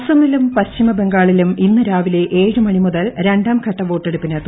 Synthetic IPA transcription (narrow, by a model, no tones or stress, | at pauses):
sɐmilumpɐɕt͡ɕimɐbe̞ŋɡaːɭiluminːɨɾaːʋileʔe̞ːɻɨmɐɳimuðɐlɾe̞ɳɖaːmkʰɐʈːɐʋo̞ːʈːeɽupːinet̪ːu